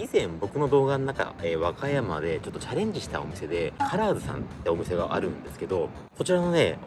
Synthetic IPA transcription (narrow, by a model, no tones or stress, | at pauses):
izẽ̞mbo̞kɯ̟no̞d̪o̞ːɡanonaka̰eβakajama̰d̪e̞t͡ɕo̞t̪ːo̞t͡ɕaɾẽ̞ɲ̟d͡ʑiɕi̥t̪a̰o̞̰mʲise̞d̪e̞kʰaɾaːdɨsã̰nt̪ːeo̞mʲise̞ɡaʔaɾɯ̟̃nd̪e̞sɨ̥ked̪o̞ | ko̞t͡ɕiɾano̞ne̞̰